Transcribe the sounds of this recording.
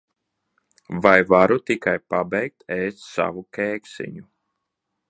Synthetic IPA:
vajvaɾut̪ikajpabɛjk̚t̪ɛːst̪ʲsa̰vukʲɛːksḭɲu

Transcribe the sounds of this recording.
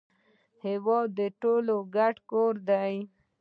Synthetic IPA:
hɪwɔd̪ːəʈoloɡaʈkoɾd̪aj

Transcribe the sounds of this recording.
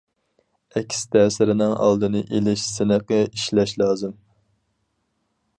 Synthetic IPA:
ɛkʲʰi̥st̪ʰɛːsɪɾɪnɪŋɑ̰lˠd̪ɨnɨʔelɪʃsɪnɨqəiʃlɛʃlˠɑːzɨm

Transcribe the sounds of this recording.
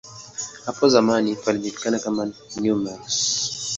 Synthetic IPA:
hapʰɔzamanifalid͡ʒiti̥kanakamanjumaɾs

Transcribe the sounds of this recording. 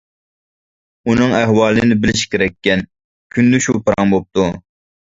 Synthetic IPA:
unɨŋɛɦwɑːlˠɨnɪbɪlɪʃkʲʰeɾɛkʲːɛn | kʲʰynd̪ɪʃupʰɨɾɑ̰ŋbop̚t̪u

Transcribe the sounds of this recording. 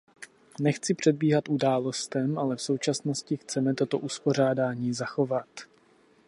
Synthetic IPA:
nɛxt͡sɪpr̝̥ɛd̪̚biːɦat̪ʔudaːlo̞st̪ɛmʔalɛfso̞wt͡ʃasno̞scɪxt͡sɛmɛt̪o̞t̪o̞ʔuspo̞r̝aːdaːɲiːzaxo̞vat̪

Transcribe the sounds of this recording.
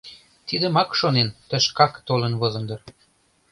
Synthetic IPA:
t̪id̪ə̆mɑkʃonent̪ə̆ʃkɑkt̪olənβozə̆nd̪ɤr

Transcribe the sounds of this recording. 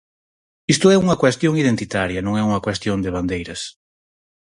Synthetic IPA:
ist̪ʊɛuŋɐkwest̪joŋið̞ent̪it̪aɾjɐnõŋɛuŋɐkwest̪jond̪ɪβ̞and̪ejɾɐs

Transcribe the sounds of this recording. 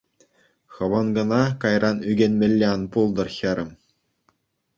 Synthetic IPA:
xɤ̆ʋɤ̆nɡɤ̆nɑkɑjrʔɑnyɡʲenʲmʲɘ̆lʲːeɑnpulˠd̪ɤ̆rxʲɘ̆ɾʲɘ̆m

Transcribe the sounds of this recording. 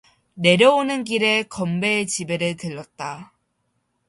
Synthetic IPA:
ne̞ɾjʌonɯnɡiɾe̞kʌmbe̞t͡ɕibe̞ɾɯɭtɯɭːʌt̚t͈a

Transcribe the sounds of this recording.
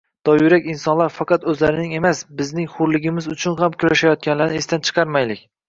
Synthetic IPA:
d̪̥ɒjʊɾakʲɪnsɒnlaɾfɑqɑt̪ɵzlaɾɪnɪŋe̞masbɪznɪŋχʊɾlɪɡʲɪmɪzʊt͡ʃʰʊnhamkʲʰʊɾaʃajɒt̪̚kʲanlaɾnɪest̪ant͡ʃʰɨ̥qʰɑɾmajlɪkʲ

